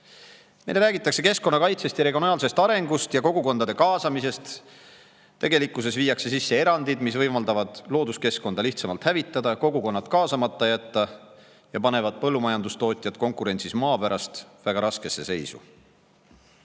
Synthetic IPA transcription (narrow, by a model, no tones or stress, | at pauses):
mejlɾæːɡit̪ːˑɑkse̞ke̞sko̞nːɑkɑjt̪se̞st̪jɑɾeɡio̞nɑːlse̞st̪ɑɾe̞ŋɡ̥ust̪jɑko̞ɡ̥uko̞nd̪ɑd̪e̞kɑːsɑmise̞st̪ː | e̞ɡe̞likːˑuse̞sviːɑkse̞sisːe̞e̞ɾɑnd̪id̪̥mis̬vɤjmɑld̪ɑvɑd̪̥lo̞ːd̪uske̞sko̞nd̪ɑliht̪sɑmɑlt̪hævit̪ːˑɑd̪ɑko̞ɡuko̞nːɑt̪kɑːsɑmɑt̪ːˑɑjæt̪ːˑɑ | jɑpɑne̞vɑd̪̥̚pɤlːumɑjɑnd̪ust̪o̞ːt̪ʲˑjɑt̪ko̞ŋkˑuɾe̞nʲt̪sismɑːpæɾɑst̪væɡ̥ɑɾɑske̞sːe̞se̞jsṵ